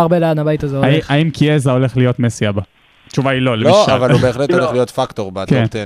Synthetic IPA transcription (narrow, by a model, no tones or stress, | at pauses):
aʁbeleanabajt̪azeoaiaimkʰiezao̞le̞χlijo̞t̪mesiaba | att͡ʃuvailo̞lelioʃalvalubeːχlet̪oleχlijo̞tfakt̪oʁbakent̪e